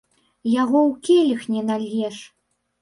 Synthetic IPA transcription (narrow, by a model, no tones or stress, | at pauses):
jaɣɔwkʲɛlʲixnʲɛnalʲːɛʂ